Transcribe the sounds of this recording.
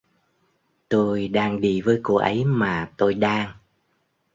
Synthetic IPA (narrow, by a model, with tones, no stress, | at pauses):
t̪o˧jɗaː˧ŋɗi˧˩vəː˨˦jku˧˩ʔə˨˦jmaː˨˩t̪o˧jɗaː˧ŋ